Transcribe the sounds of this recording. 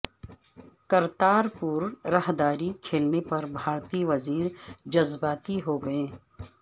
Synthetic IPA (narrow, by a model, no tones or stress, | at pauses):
kɐɾt̪aːɾpuːɾːɐɦd̪aːɾikʰeːlnepɐɾbʱaːɾt̪iːʋɐziːɾd͡ʒɐzbaːt̪iɦoɡɐẽː